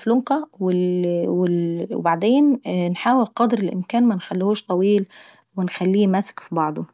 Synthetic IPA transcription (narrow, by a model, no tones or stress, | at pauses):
floŋqæwɪlwɪl̰baʕd̪eːnnħaːwɪlqɑd̪ɾɪlʔɪ̰mkæːnmænxælːihuːʃt̪ˤɑwiːl | wɪnxælːiːmæsɪ̥kfibɑʕd̪ˤo